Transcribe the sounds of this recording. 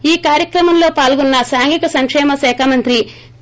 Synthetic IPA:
iːkaːɾjɐkɾɐmɐmlo̞ːpaːlɡunːɐsaːŋɡʱikɐsɐŋkʂɛːmɐsɛːkʰamɐnt̪ɾi

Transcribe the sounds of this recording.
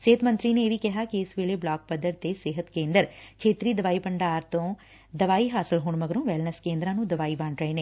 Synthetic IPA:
sɪɦət̪mə̃nt̪ɾiːneːʋiːkɪɦaːkiɪsʋeːleːblaːk̚pəd̪əɾt̪eːsɪɦət̪kẽːnd̪əɾkʰeːt̪ɾiːd̪əʋaːiːpəɳɖaːɾt̪õː | d̪əʋaːiɦaːsɪlɦʊːɳməɡəɾõːʋɛːlnəskẽːnd̪ɾãːnũːd̪əʋaːiʋaːɳɾəeːneː

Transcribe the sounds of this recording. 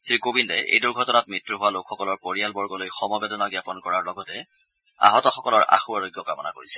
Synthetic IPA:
sɹikobindɛ̰ʔḛjduɹɡʱɔtɔnat̚mitɹuɦʊwalokʰxɔkɔlɔɹpoɹijalbɔɹɡɔlojxɔmɔbedɔnɔɡjapɔnkɔɹaɹlɔɡɔtɛ | a̰ɦɔtɔxɔkɔlɔɹʔa̰xuaɹojɡjɔkamɔna̰ko̰ɹisɛ̥

